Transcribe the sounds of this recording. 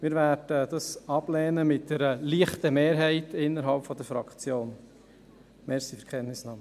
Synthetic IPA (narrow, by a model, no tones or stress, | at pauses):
mɪɾværdəd̥ɑsɑb̥lɛːnəmɪt̚d̥ɛɾəliːəχtəmeːɾɦɛɪtʰɪnːəɾɦɑlpfɔd̪əɾfɾɑkt͡sjoːn | mɛːɾsifəɾkʰχɛnnɪsnɑmə